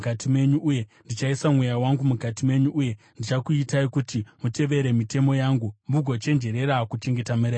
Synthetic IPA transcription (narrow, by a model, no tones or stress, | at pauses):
katimwe̞ɲuːje̞ndit͡ʃaisamwe̞jawaŋɡumukatimwe̞ɲuʔuje̞ | ndit͡ʃakuitaikutimute̞ʋe̞ɾe̞mite̞mo̞jaːŋɡumbuɡʱo̞t͡ʃe̞nd͡ʒe̞ɾe̞ɾakut͡ʃe̞ŋɡe̞tameɾe